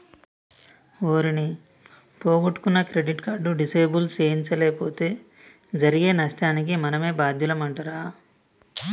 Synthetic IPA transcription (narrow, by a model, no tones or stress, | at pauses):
oːɾini | poːɡoʈːu̥kunːɐkɾe̞ɖiʈkaːɖuɖiseːbult͡ʃeːjiɲt͡ʃɐleːpoːt̪e̞ː | d͡ʒɐɾiɡe̞ːnɐʂʈaːnik̬imɐnɐme̞ːbaːd̪ʱjulɐmɐɳʈɐɾaː